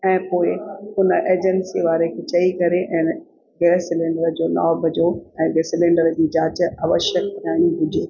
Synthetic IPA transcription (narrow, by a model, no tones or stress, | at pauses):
ɛ̃ːpoːɪʊnəʔeːd͡ʑənsiʋaːɾekʰet͡ɕɐikɐɾeʔɛ̃ː | ɡesɪlẽːɳɖəɾd͡ʑoːna̰ːbʱɐd͡ʑoɛ̃ːɡesɪlẽːɳɖəɾd͡ʑiːd͡ʑaːt͡ɕɐʋəʃək̚ɲaːñiɦʊd͡ʑʱoː